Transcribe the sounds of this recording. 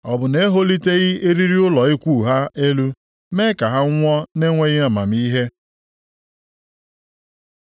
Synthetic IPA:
ɔ˨bʊ˨ne˦ɦo˦li˦te˦ɣɪ˦e˦ɾi˦ɾi˦ʊ˦lɔ˨ɪ˦kʷu˦˨ɦa˦e˦lu˦ | me˦ka˨ɦa˦ŋʷɔ˦ne˦ŋʷe˦ɣɪ˦a˨ma̰˨m˦i˦ɦe˦

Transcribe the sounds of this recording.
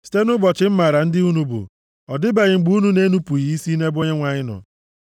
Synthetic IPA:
si̥˨te˦nʊ˦bɔ˨t͡ʃɪ˨˦m̩˦ma˨ɾa˨n̩˦dɪ˦u˦nu˦bʊ̰˨ | ɔ˨dɪ˦be˨ɣɪ˨ŋ͡m̩˨ɡ͡bu˦nu˦ne˦nu˦pu˨ji˨i˦si˦ne˦bo˦ɲe˦ŋʷa˨ɲɪ˦nɔ̰˨

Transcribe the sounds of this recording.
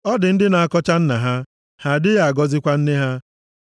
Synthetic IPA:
ɔ˦dɪ˨n̩˦dɪ˦na˨a˨kɔ˦t͡ʃa˦n̩˦na˨ɦa˦ | ha˦˨dɪ˦ja˨a˨ɡɔ˦zɪ˦kʷa˦n̩˦ne˦ɦa˦

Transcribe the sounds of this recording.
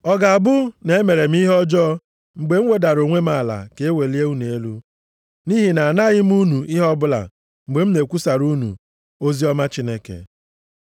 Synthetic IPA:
ɔ˦ɡa˨a˨bʊ˦ne˨e˦me˨ɾe˨m̩˦i˦ɦɔ˦d͡ʒɔ˦ | ŋ͡m̩˨ɡ͡be˨ŋ͡m̩ʷ˦e˦da˨ɾo˨ŋʷe˦ma˦˨la̰˨ke˨˦e˦we˨li˦e˦u˦ne˨e˦lu˦ | ni˦ɦi˨na˨na˦ɣɪ˦m˦u˦nu˨ʔɪ˦ɦɔ˦bʊ˦la̰˨ | ŋ͡m̩˨ɡ͡be˨m̩˦ne˨kʷu˦sa˨ɾu˦nṵ˨ | o˦zi˦ɔ˦ma˦t͡ʃi˦ne˦kḛ˨

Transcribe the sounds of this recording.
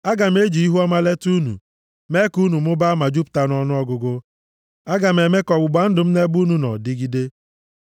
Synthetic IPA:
a˦ɡa˨m̩˦e˦d͡ʒi˨i˦ɦu˦ɔ˦ma˦le˦tu˦nṵ˨ | me˦ku˦nu˨m˦ʊ˦ba˦ma˨d͡ʒu˦p̚ta˦nɔ˦nʊ˦ɔ˦ɡʊ˦ɡʊ˦ | a˦ɡa˨m̩˨e˨me˦kɔ˨ɡ͡bʊ˨ɡ͡ba˨˦n̩˦dʊ˨m̩˦ne˦ɡ͡bu˦nu˦nɔ̰˨dɪ˦ɡi˦de˦

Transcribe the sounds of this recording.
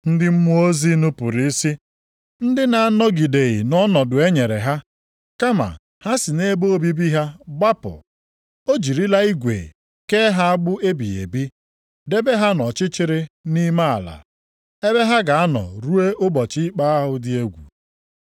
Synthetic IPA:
n̩˦dɪ˦m̩˦mu˦o˦zi˦nʊ˦pʊ˨ɾi˦i˦si˦ | n̩˦dɪ˦na˨a˦nɔ˦ɡi˨de˨ɣɪ̰˨nɔ˦nɔ˨dʊ˨e˦ɲe˨ɾḛ˨ɦa˦ | ka˦ma̰˨ | ha˦sɪ˨ne˦bo˦o˦bi˦bi˦ɦa˦ɡ͡ba˦pʊ̰˨ | o˦d͡ʒi˨ɾi˦la˦i˦ɡʷḛ˨ | ke˦ɦa˦a˦ɡ͡bʊ˦e˦bḭ˨ḛ˨bi˦ | de˦be˦ɦa˦nɔ˨t͡ʃɪ˦t͡ʃɪ˦ɾɪ˦ni˦ma˦a̰˨la̰˨ | e˦be˦ɦa˦ɡa˨a˦nɔ̰˨ɾu˦e˦ʔʊ˦bɔ˨t͡ʃi˦k͡pa˦a˦ɦʊ˨dɪ˦e˦ɡʷṵ˨

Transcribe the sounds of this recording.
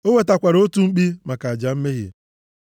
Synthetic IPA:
o˦we˨ta˨kʷa˨ɾo˦tu˦ŋ͡m̩˦k͡pi˦ma˨ka˨a˨d͡ʒa˨m̩˦me˦ɣḭ˨

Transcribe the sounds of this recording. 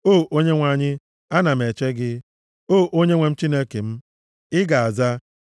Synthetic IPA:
o˦˨ʔo˦ɲe˦ŋʷa˨ɲɪ˦ | a˦na˨m̩˨e˨t͡ʃe˦ɡɪ˦ | o˦˨ʔo˦ɲe˦ŋʷe˨m̩˦t͡ʃi˦ne˦ke˨m̩˦ | ɪ˦ɡa˨a˨za˦

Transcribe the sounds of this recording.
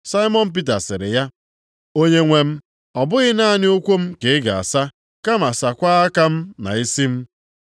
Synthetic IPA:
sa˦ɪ˦mɔ˦n̩˨p̬i˦t̬a˨sɪ˨ɾɪ̰˨ja˦ | o˦ɲe˦ŋʷe˨m̩˦ | ɔ˨bʊ˦ɣɪ˦na˦˨nɪ˦ʊ˦kʷo˦m̩˦ke˨ɪ˦ɡa˨a̰˨sa˦ | ka˦ma˨sa˨kʷa˦a˦ka˦m̩˦na̰˨i˦si˦m̩˦

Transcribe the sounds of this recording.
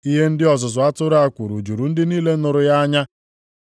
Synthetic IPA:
i˦ɦe˦n̩˦dɪ˦ɔ˨zʊ˨zʊ˨a˦tʊ˦ɾa˨kʷu˨ɾṵ˨d͡ʒu˨ɾu˨n̩˦dɪ˦niː˦le˦nʊ˨ɾʊ˨ja˦ɲa˦

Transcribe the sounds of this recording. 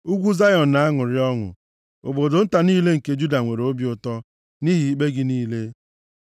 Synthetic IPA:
u˦ɡʷu˦za˦jɔ˨n̩˨na˨˦a˦ŋʊ˨ɾɪ˦ɔ˦ŋʊ̰˨ | o̰˨bo˨dʊ˨n̩˦ta˨niː˦le˦ŋ̩˨ke˦d͡ʒu˦da˨ŋʷe˨ɾo˦bjʊ˨tɔ˦ | ni˦ɦi˨i˦k͡pe˦ɡɪ˦niː˦le˦

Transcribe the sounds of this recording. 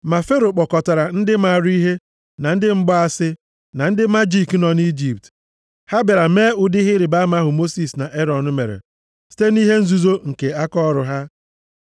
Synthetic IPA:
ma˨fe˦ɾo˨k͡pɔ˨kɔ˨ta˨ɾa˨n̩˦dɪ˦ma˨ɾi˦ɦe˦ | na˨n̩˦dɪ˦ŋ͡m̩˦ɡ͡bɔ˦a˦sɪ˦ | na˨n̩˦dɪ˦ma˦d͡ʒi˦˨knɔ˨ni˦d͡ʒi˨p̚t | ha˦be˨ɾa˨meː˦ʊ˨dɪ˦ɦɪ˦ɾɪ˨ba˦ma˦ɦʊ˨mo˦si˨sna˨ʔe˦ɾɔ˨nʊ˦me˨ɾḛ˨ | si̥˦te˦ni˦ɦe˦n̩˦zu˦zo˦ŋ̩˨ke˨a˦kɔ˦˨ɾʊ˨ɦa˦

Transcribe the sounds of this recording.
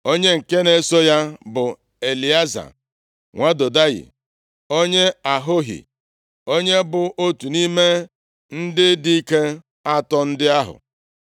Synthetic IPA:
o˦ɲe˦ŋ̩˨ke˦ne˦so˦ja˦bʊ˨ | e˨li˨a˦za̰˨ | ŋʷa˦do˨da˦ɣɪ̰˨ | o˦ɲe˦a˨ɦʊ˦ɦḭ˨ | o˦ɲe˦bʊ˨ʔo˦tu˨ni˦me˦ | n̩˦dɪ˦di˦i˦ke˦ | a˦tɔ˦n̩˦dɪ˦a˦ɦʊ̰˨

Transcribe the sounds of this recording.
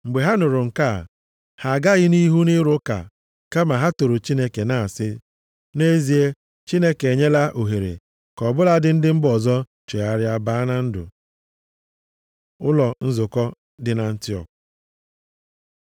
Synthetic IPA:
ŋ͡m̩˨ɡ͡be˨ɦa˦nʊ˨ɾʊ˨ŋ̩˨ka˦˨ | ha˨ɡa˦ɣɪ˦ni˦ɦu˦nɪ˦ɾʊ˦ka̰˨ | ka˦ma˨ɦa˦to˨ɾʊ˨t͡ʃi˦ne˦ke˨na˨a˨sɪ˦ | ne˦zi˨e˦ | t͡ʃi˦ne˦ke˨ɲe˦la˦ʔo˨ɦe˨ɾḛ˨ | kɔ˨bʊ˦la˦dɪ˨n̩˦dɪ˦m̩˦bɔ˨zɔ˦ | t͡ʃe˨a˨ɾja˦ba˦na˦n̩˦dʊ̰˨ | ʊ˦lɔ˨n̩˦zʊ˨kɔ˦ | dɪ˨na˨n̩˦tɪ˦ɔ̰˨k

